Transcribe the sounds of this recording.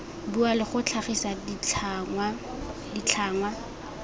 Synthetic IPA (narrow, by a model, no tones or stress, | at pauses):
bualɪχʊt͡ɬʰaχisa | a | dit͡ɬʰaːŋwa